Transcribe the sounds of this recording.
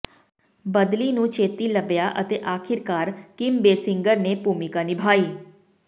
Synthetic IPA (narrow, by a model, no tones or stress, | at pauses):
bəd̪linũt͡ʃeːt̪iləbjaʔət̪eʔaːkʰɪɾkaːɾkɪmbeːsɪŋɡəɾnepuːmikanibʱaːiː